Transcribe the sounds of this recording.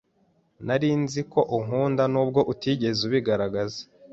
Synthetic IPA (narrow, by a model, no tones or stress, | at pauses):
naɾiːnziko̞ʔuŋ̥uːndanuːb̚ɡo̞ʔutiɟe̞zuβiɡaɾaɡaze̥